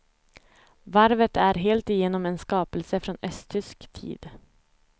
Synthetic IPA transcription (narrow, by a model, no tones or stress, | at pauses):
væɾvət̪æɾɦeːlt̪ɪjeːnɔmenskɑːpəlsəfɾɔnœst̪ʰʏskt̪ʰḭːd̪